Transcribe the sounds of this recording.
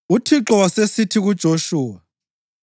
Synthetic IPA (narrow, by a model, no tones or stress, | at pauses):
utʰiǁɔwasesitʰiɣud̥ʒ̥ʱoʃuːwa